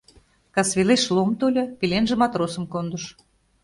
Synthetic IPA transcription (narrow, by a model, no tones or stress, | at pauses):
kɑsβʲeleʃlˠomt̪olʲɤ̆pilʲenʒĕmɑt̪rosə̆mkond̪ə̆ʃ